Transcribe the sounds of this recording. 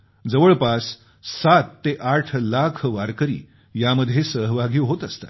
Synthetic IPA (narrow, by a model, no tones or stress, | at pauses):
d͡zəʋəɭpasː | at̪ːeʔaʈʰlakʰʋaɾkəɾḭː | jaməd̪ʱjesəɦʋaɡiʋɦot̪əst̪a̰